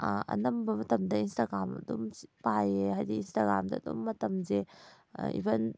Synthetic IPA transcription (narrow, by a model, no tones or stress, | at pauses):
ɐ̰nɐmbɐmɐtɐmdɐinstaɡɾamɐ̰dumpajeajdiinstaɡɾa̰mdɐːdumːɐtɐmze | ḭbɐn